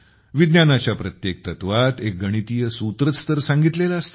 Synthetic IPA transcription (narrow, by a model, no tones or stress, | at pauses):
ʋid̪njanat͡ɕjapɾət̪jek̚t̪ət̪ʋat̪ek̚ɡəɽ̃it̪ijəsũt̪ɾət͡st̪əɾsãŋɡit̪lelaəst̪